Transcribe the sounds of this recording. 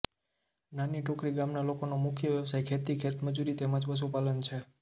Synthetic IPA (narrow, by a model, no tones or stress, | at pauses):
naniʈokɾiɡamnalokonomʊkʰjəʋjeʋsajkʰet̪ikʰet̪məd͡ʒuɾit̪emãd͡ʒʋəs̬upalənt͡ʃʰe